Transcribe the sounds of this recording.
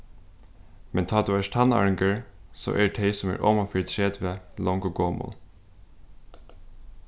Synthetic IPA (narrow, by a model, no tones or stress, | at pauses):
mɛnt̪ʰɑːd̪uːæʂt̪ʰɑnɑ̰ːɹɪŋɡəɹso̰ːʔɛʈʰeɪsɔmæ̰ːɹʔɔmɑfiɹt̪ʰɾeːd̪ʋeːlɔŋɡɔɡoːmɔ̰l